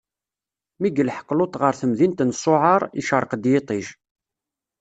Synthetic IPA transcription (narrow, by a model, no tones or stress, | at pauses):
miɡəlħə̥qːlot̪ˤʁəɾθəmðint̪nsˤːoʕɑɾˤḭʃəɾˤəqd̪jet̪ˤiʒ